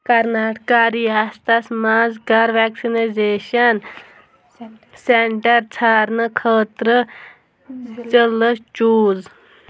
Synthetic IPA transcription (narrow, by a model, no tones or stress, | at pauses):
kɐɾnaːʈkaːɾiast̪ɐsmaːzɡaɾʋeksinazeːʃɐn | seɳʈɐɾt͡sʰaːɾnɨkʰəːt̪ɾə | t͡ʃələst͡ʃuːz